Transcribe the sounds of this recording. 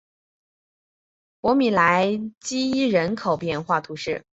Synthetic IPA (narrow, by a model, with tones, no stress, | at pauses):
pwɔ˧˥mi˨˩la˧˥ɪt͡ɕi˥i˥ɻə˧˥nkʰo˨˩ʊpjɛ˥˧nxwa˥˩t̪ʰu˧˥ʂɻ̩˥˩